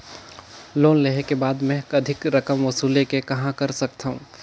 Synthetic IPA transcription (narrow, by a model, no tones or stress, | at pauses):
loːnleɦekebaːd̪mɛ̃ɐd̪ʱɪkɾɐkəmʋɐsuːlekekɐɦãkɐɾsɐk̚t̪aɦũː